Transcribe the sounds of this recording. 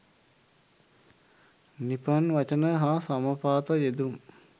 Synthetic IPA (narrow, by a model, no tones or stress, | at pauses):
nipɐnʋɐt͡ʃənəɦasaməpaːt̪əjed̪um